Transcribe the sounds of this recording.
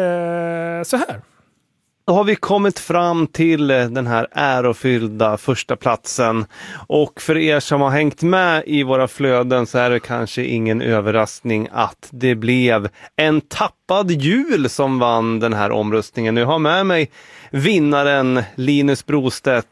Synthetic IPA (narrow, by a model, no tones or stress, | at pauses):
sɔhæːɾ | d̪̥ɔɦaɾvɪkʰɔmːɪt̪fɾamːt̪ʰɪld̪ɛnɦæːɾæːɾɔfʏld̪afœʂʈapʰlat̪sənʔɔkfœɾeːʂɔmhaɾɦɛŋkt̪mɛɪvoːɾafløːd̪ənsɔæɖɛkʰa̰nʂəʔɪ̰ŋːənʔøːvəɾasknɪŋa̰t̪d̪ɛblɛvɛnt̪ʰapːad̪jʉ̟ːlsɔmvanːd̪ɛnɦæ̰ːɾʔɔ̰mɾɵst̪nɪŋənɔjaɦaɾmɛmɛjvɪnːaɾənliːnɵsbɾuːst̪ɛt̪